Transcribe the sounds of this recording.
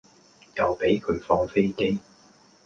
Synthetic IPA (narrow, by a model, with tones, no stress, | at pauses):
jɐ˨wpe˨˥jkʰɵ˨˧˥ɥfɔː˥ŋfe˥jke˥j